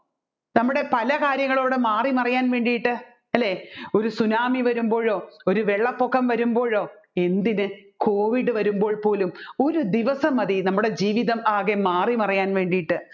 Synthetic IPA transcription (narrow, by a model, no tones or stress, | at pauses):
nɐmːuɽe̞pɐlɐkaːɾjɐŋːɐɭo̞ːɽɨmaːrimɐrijaːnʋe̞ːɳɖijiʈːɨ | ɐlːeːo̞ɾusunaːmiʋɐɾumbo̞ːɻo̞ːoɾuʋe̞ɭːɐpːokːɐmʋɐɾumbo̞ːɻoː | e̞nd̪inɨko̞ːʋiɽɨʋɐɾumbo̞ːɭpo̞ːlumo̞ɾud̪iʋɐsɐmɐðinɐmːuɽe̞d͡ʑiːʋiðɐmaːɣemaːrimɐrijaːnʋe̞ːɳɖijiʈːɨ